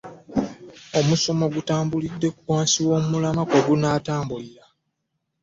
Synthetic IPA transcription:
o̞muso̞mo̞ɡutaːmbulidːe̞ku̥kwaːnsiwo̞ːmmulamakoɡunaːtaːmbuliɾa

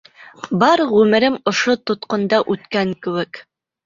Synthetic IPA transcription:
bɑɾʁʉmɘ̆ɾɘmŏʃot̪ŏt̪qŏnd̪ɑʔʉt̪kæŋkɘ̆wɘk

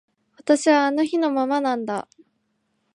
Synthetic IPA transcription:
βat̪aɕiβaːno̞çino̞mamanãnd̪a̰

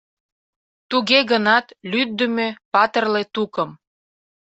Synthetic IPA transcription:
t̪uɣeɣənɑt̪lyd̪ːəmøpɑt̪ərlet̪ukəm

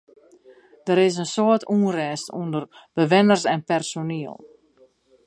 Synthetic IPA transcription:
d̥əɾɪs̬ənsoətuːənrɛːstṵndərbəʋɪnərsɛnpɛrsoniəlˠ

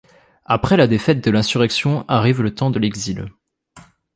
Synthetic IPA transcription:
apχɛlad̪efɛt̪̚d̪əlɛ̃syʁɛksjɔ̃ʔaʁivlət̪ɑ̃d̪əlɛɡzil

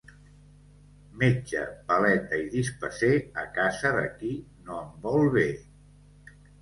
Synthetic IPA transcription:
med͡ʒt͡ʃə̰pəlɛt̪əiðispəseəkazəðə̰kinoəmbɔlˠβe

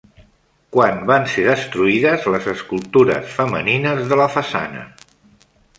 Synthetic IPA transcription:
kwanbanseðəst̪ɾuiðəzləzəskulˠt̪uɾə̰sfəmə̰ninəzðələfəsa̰nə̰

